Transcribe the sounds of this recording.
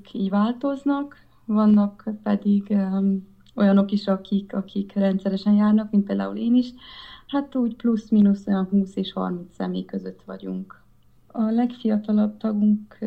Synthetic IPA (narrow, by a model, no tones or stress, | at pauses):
kʰiːɟvaːlt̪o̞znɒk | vɒnːɒkpɛd̪iɡ | o̞jɒno̞kiʃɒkikɒkikrɛnt̪sɛɾɛʃɛnjaːrnɒkminpeːld̪a̰ːṵleːniʃhat̪uːɟplusmiːnuso̞jɒnɦuːseːʃhɒ̰rmint̪sɛ̰mḛːjkø̞zø̞t̪ʋɒ̰ɟṵŋk | ɒlɛkfijɒt̪ɒlɒb̚t̪ɒɡuŋk